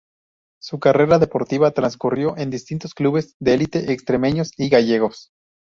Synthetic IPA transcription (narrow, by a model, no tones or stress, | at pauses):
sukare̞ɾaðe̞po̞ɾt̪iβat̪ɾanskurjo̞ʔe̞nd̪ist̪int̪o̞skluβe̞zðeelit̪e̞ʔekst̪ɾe̞me̞ɲo̞siɣaʝe̞ɣo̞s